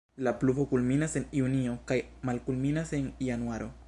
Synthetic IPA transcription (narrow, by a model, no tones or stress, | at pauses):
lapluvo̞kulminase̞niunio̞kajmalkulminase̞njanuaɾʔo̞̰